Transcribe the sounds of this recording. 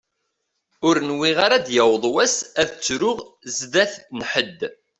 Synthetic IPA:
ʊɾnwiʁaɾad̪jæwðˤwæsæðt͡sːɾʊʁzðæθnħəd̪ː

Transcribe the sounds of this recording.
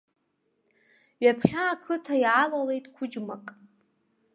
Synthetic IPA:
ɥapʰχʲaːkʰɨtʰaiʕalale̞jtʼkʷʰʊd͡ʒma̰kʼ

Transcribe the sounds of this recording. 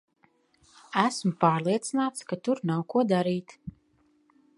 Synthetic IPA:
æsmupaːɾlˠiɛt̪sinaːt̪skat̪uɾnawkuɔd̪aɾiːt̪

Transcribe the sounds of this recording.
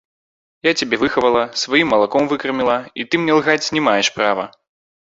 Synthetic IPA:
jat͡sʲabʲɛvɨxɐvɐlˠɐsvajimːɐlˠakɔmvɨkɐrmʲilˠait̪ɨmnʲɛlˠɣat͡sʲnʲɛmajɛʂpɾavɐ

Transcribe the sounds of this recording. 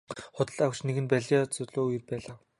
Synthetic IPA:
χʊt̪ə̆ɮawt͡ɕneɣɘ̆npæɮat͡sʊɮoːirpæːɮaː

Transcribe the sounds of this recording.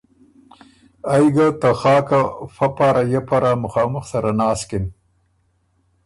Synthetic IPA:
ajɡat̪axɑːkafapaɾajapaɾamʊxɑːmʊxsaɾanɑːskɪn

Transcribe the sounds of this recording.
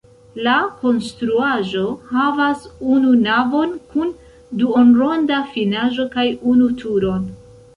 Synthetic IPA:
lako̞nstɾuaʒo̞havasununavo̞nkun | duonɾo̞ndafinaʒo̞kajunutʰuɾo̞n

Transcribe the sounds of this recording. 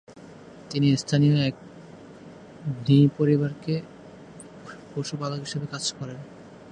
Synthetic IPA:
t̪inist̪ʰanioɛk̚ | nipoɾibaɾke | poʃupaloɦiʃebekad͡ʑkɔɾen

